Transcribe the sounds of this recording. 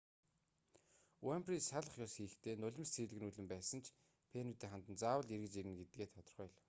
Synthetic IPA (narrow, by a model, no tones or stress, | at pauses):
wamprisaɮə̆χjɔsxiːxt̪ʰeːnʊɮʲɪ̆mst͡sʰiːɮɘ̆ɣ̆nuɮɘ̆mpæːsə̆nt͡ɕʰ | pʰenut̪iːŋχant̪ə̆nt͡saːwə̆ɮirɣɘ̆t͡ɕiɾɘ̆ŋɡet̪̚ɡeːt̪ʰɔt̪ɞ̆rχœ̆ːɮ